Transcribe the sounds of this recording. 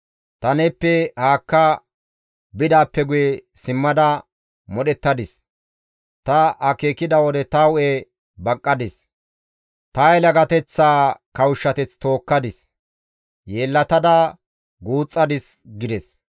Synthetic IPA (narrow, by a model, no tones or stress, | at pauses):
t̪ɐnɛpːɛhaːkːɐ | bɪd̪aːpːɛɡʊjɛsɪmːɐd̪ɐ | mɔɗɛt̪ːɐd̪ɪs | t̪ɐɐkeːkɪd̪ɐwɔd̪ɛt̪ɐwʊʔe | bɐkʼːɐd̪ɪs | t̪ɐjlɐɡɐt̪ɛt͡sːaːkɐwʊʃːɐt̪ɛt͡st̪o̞ːkːɐd̪ɪs | jeːlːɐt̪ɐd̪ɐ | ɡuːt͡sʼːɐd̪ɪsɡɪd̪ɛs